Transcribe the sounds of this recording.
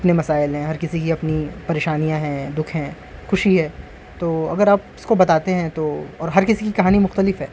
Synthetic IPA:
ɐpnemɐsaːɪlɦɛ̃ɦɐɾkɪsikiɐpnipɐɾeːʃaːnijãɦɛ̃d̪ʊkʰɦɛ̃ː | xʊʃiɦɛː | t̪oːɐ̰ɡəɾaːp̚ɪskobɐt̪aːt̪eɦɛ̃t̪oːɔːɾɦɐɾkɪsikikɐɦaːnimʊxt̪əlɪfɦɛː

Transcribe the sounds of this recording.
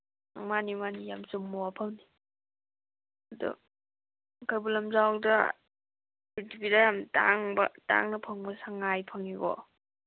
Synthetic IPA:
ŋmanimanijamsumːɔwapʰawni | ɐdṵ | kʰajbulamzawdɐ | itipidajamta̰ŋbɐ̰ta̰ŋnɐpʰaŋbɐsaŋajpʰaŋiɡɔ̰

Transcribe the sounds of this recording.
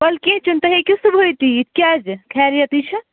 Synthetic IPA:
bɐlkĩt͡ʃunt̪ɐɦekʲisubʱɦojt̪it̪kʲjad͡ʒkʰɛɾijɐt̪it͡ʃʰɨ

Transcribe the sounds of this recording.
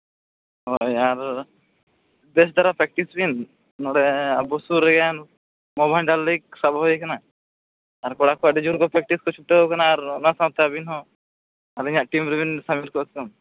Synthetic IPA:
ɦojaɾ | d̪es̬d̪aɾapɛk̚ʈisbin | nɔɽɛabɔsuɾɛɡɛan | mɔbajlɖalːik̚sabɦɔjikanaː | ɾkɔɽakuaɖid͡ʒuɾkɔpɾɛk̚ʈiskɔt͡ʃʰuʈːeɦokanaːɾɔnasãt̪eabinɦɔ | aɾiɲaʔʈimɾɛbinsamiɾkɔtkɔn

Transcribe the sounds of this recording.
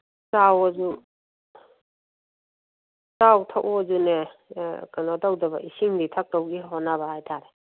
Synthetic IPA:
sawɔzu | sawtʰaʔɔzune | kanadawdɐbaʔisiŋditʰak̚tawɡiɦɔnabahajtʰaɾe

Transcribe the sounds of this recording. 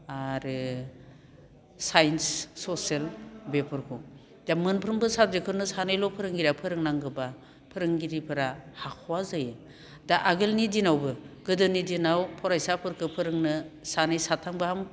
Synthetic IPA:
aɾɯ | sajnsːoselbepʰɯɾkʰu | damɯnpʰɾɯmbɯsabzekʰɯɾnɯsanɯjlɔpʰɯɾɯŋɡiɾapʰɯɾɯŋnaŋɡɯba | pʰɯɾɯŋɡiɾipʰɯɾahakʰɔwazajɯ | daʔaɡɯlnidinawbɯɡɯdɯnidinawpʰɔɾajsapʰɯɾkʰɯpʰɯɾɯŋnɯsanɯjsatʰaŋbaham

